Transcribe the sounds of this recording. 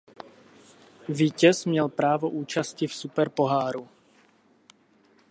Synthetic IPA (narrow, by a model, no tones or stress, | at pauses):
viːcɛzmɲɛlpɾaːʋɔʔuːt͡ʃascifsupɛɾpɔɦaːɾu